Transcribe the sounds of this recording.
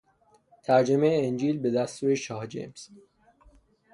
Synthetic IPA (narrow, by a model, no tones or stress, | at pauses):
t̪ʰæɾd͡ʒemeeːnd͡ʒiːlbe̞d̪æst̪uːɾeʃɒːhd͡ʒḛms